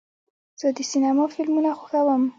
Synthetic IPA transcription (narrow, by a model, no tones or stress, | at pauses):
z̥əd̪əsinamɑfɪlmunaxoxawəm